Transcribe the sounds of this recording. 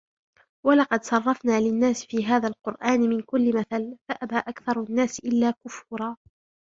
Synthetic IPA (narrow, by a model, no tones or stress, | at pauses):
walɑqɑd̪sˤɑrˤːɑfnaːlɪnːaːsfiːɦaːðalqʊɾʔaːnmɪnkʊlːɪmaθalfaʔabaːʔakθɑɾˤanːaːsʔɪlːaːkʊfʊːɾˤɑː